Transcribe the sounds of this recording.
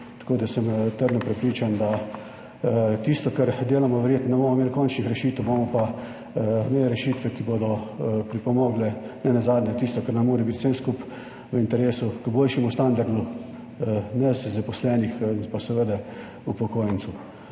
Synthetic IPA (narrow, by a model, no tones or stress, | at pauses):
t̪ḁkoːd̪asəmt̪əɾd̪nɔpɾɛpɾiːt͡ʃand̪a | t̪ist̪ɔkaɾd̪eːlamɔʋɛɾjeːt̪nɔnɛbomɔmeːlkɔnt͡ʃnixɾɛʃiːt̪wboːmɔpa | meːlɛɾɛʃiːt̪ʋɛkibod̪ɔpɾipɔmɔːɡlɛnɛnɛzaːd̪nʲɛt̪ist̪ɔkəɾnɛmoːɾɛbit̪senskup | ʋəint̪ɛɾeːsukəboːlʃɛmust̪and̪aɾd̪u | nɛzzapɔslɛnixpasɛʋəd̪ɛ | upɔkoːjənsu